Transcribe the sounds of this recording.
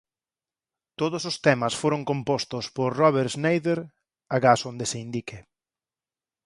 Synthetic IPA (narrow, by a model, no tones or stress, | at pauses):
t̪oðʊsost̪ɛmɐsfoɾoŋkompost̪ʊspoɾrɔβeɾznejðeɾ | aɣasond̪ɪseind̪ike